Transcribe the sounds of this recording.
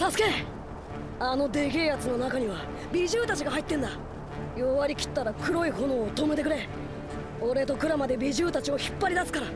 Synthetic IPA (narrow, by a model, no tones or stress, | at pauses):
t̪asɨ̥ke̞ | ano̞d̪e̞ɡʲejat͡sɨno̞nakaɲ̟iβa | bʲiʑɨːt̪at͡ɕiɡaɦait̪ːẽ̞nd̪a | joβaɾʲikʲi̥t̪ːaɾakɯ̟ɾo̞iho̞no̞ːt̪o̞met̪e̞kɯ̟ɾe̞ | o̞ɾe̞t̪o̞kɯ̟ɾamad̪e̞bʲiʑɨːt̪at͡ɕio̞çi̥pːaɾʲid̪asɨ̥kaɾa